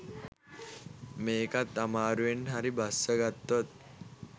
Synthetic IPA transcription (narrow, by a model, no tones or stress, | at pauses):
meːkat̪ːamaɾuʋenɦaɾibʱasːəɡat̪ːot̪̚